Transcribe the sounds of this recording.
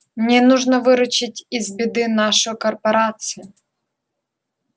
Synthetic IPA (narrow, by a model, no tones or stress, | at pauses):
nʲɛnuʒnɐʋɪɾʊt͡ʃɪtʲizbʲid̪ɪnɑʃɔjʊkɔrpɔɾɑt͡sʲijʊ